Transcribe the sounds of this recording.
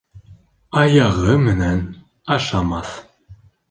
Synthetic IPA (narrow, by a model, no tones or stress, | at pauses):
ɑjɑʁɤmɘ̆næn | ɑʃɑmɑθ